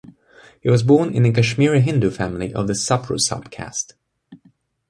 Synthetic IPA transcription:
hiwʌzbɔɹnɪ̰̃nɨkɨʃmɪɹɨɦɪ̃ndufæ̃mliʔʌ̰vðɨsʌpʰɹṵsʌ̰b̥̚kʰæ̰st

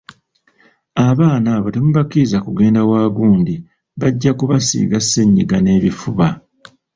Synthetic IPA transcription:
aβaːnaβatemuβakizakuɡe̞ːndawaːɡuːndi | βaɟːakuβasḭːɡasːeɲːiɡane̞ːβifuβa

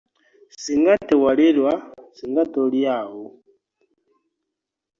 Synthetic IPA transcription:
siŋɡatɛwalilwasiŋɡatɔljaɦu

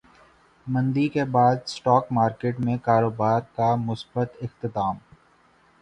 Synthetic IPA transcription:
mɐ̃nd̪ikebaːd̪sʈɔːkmaːɾkeːʈmẽkaːɾoːbaːɾkamʊsbət̪ɪxt̪ɪt̪aːm

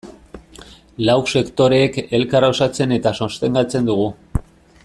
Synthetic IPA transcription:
lawkse̞kt̪o̞ɾe̞ːke̞lkarosat͡se̞ne̞t̪aso̞st̪e̞ŋɡat͡se̞nd̪uɣ̞u

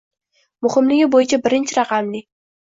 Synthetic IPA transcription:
mʊhɪmlɪɡʲɪbojɪt͡ʃʰabɪɾɪnt͡ʃʰɪɾɑqɑmlɪ

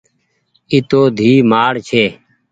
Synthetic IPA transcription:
ɪt̪oːd̪ʱiːmaːɽt͡ʃʰeː

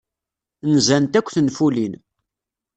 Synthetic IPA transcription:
nzænt̪ækʷːθnfulin

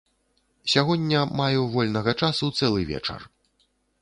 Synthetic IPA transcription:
sʲaɣɔdʲːɐmajɛvɔlʲnɐɣɐt͡ʂasut̪sɛlˠɨvʲɛ̰t͡ʂɐ̰r

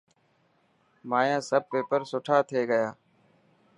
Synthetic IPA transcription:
maːjãːsəb̚peːpəɾsʊʈʰaːt̪ʰeːɡəjaː

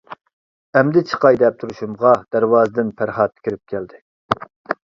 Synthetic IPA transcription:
ɛmd̪ɪt͡ʃʰə̥qɑjd̪ɛp̚t̪ʰuɾuʃumʁɑd̪̥æɾwɑːzɨd̪ɪnpʰæɾhɑt̪̚ːkʲʰiɾɪp̚kʲʰæld̪ɪ

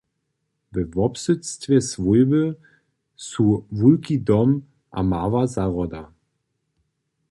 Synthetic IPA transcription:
vɛvɔpsʏt͡stvʲɛsvulbə | suvulkidɔm | ʔa̰maːvazaʁɔda

